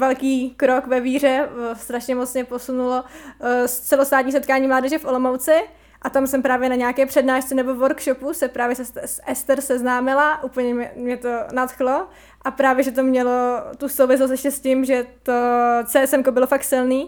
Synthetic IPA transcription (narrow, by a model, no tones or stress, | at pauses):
vɛlkiːkɾokvɛviːr̝ɛst̪ɾaʃɲɛmot͡smɲɛposunulost͡sɛlost̪aːt̪ɲiːsɛt̪kaːɲiːmlaːdɛʒɛfʔolomowt͡sɪ | ʔat̪amsɛmpɾaːvjɛnaɲɛakɛːpr̝̥ɛdnaːʃt͡sɛnɛbo̞voɾkʃopusɛpɾaːvjɛsɛsʔɛst̪ɛɾsɛznaːmɪlaʔuːpl̩ɲɛɛmɲɛt̪onat̪xlo̞ | ʔapɾaːvjɛʒɛt̪o̞mɲɛlot̪usowvɪs̬los̬t̪ɛʃʲcɛscɪmʒɛt̪ot͡sɛːɛsɛmkobɪlofak̚t̪sɪlniː